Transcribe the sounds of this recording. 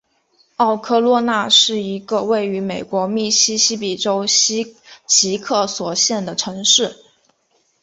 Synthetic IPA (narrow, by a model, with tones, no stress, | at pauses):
ɑ˥˧ʊkʰɤ˥˧lwɔ˥˧na˥˧ʂɻ̩˥˩i˧˥ɡə˧we˥˩ɪy˧˥me˨˩ɪkwɔ˧˥mi˥˩ɕi˥ɕi˥pi˨˩ʈ͡ʂo˥ʊ˥ | t͡ɕʰi˧˥kʰɤ˥˩swɔ˨˩ɕjɛ˥˩nd̪ə˩ʈ͡ʂʰɤ˧˥ŋʂɻ̩˥˩